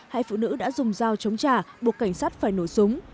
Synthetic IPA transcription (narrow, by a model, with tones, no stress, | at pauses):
ha̰ː˧˨jfṵ˧˨nɨ̰˧˥ɗa̰ː˧˥zʊ˨˩ŋ͡mzaː˧wt͡ɕə˨˦wŋ͡mt͡ɕaː˧˩ɓu˨˩əkːa˧˩jŋ̟saː˦˥t̚faː˧˩jno˧˩jsʊ˨˦ŋ͡m